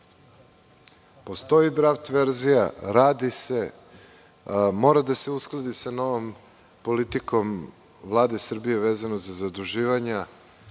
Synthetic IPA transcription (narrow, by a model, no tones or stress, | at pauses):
po̞st̪o̞jid̪ɾaft̪ʋe̞ɾzijaɾaːd̪ise | mo̞ːɾad̪ase̞usklˠad̪isano̞ʋo̞m | po̞lit̪iko̞m | vlˠaːd̪esr̩bije̞ʋeːzanozazad̪uʒiːʋaɲa